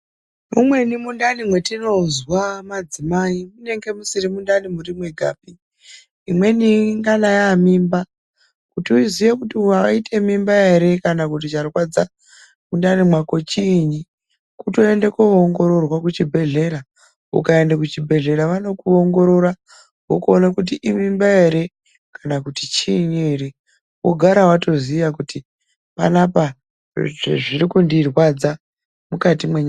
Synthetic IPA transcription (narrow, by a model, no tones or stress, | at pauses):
mumwe̞nimundanimwe̞tino̞zwamad͡zimaimune̞ŋɡe̞musirimundanimurimweɡʱa̰ːbiː | mwe̞niŋɡanajamimba | kutiuizijekutiaaitʰemimbaeɾe̞kanakut̬it͡ʃarkwad͡za | mundanimwako̞t͡ʃiɲi | kuto̞endekooŋɡo̞ɾo̞rwakut͡ʃibʱe̞ɮe̞ɾa | ṵkae̞ndak̬ut͡ʃibʱe̞ɮe̞ɾaʋano̞kuo̞ŋɡo̞ɾo̞ɾa | wokuonakut̬iʔimimbae̞ɾe̞ | kanakuti̥t͡ʃiːɲeɾe | wo̰ɡʱaɾawato̞ziʋakuti | pa̰napa | ʐʐiɾikundirwad͡za | mukatimweɲa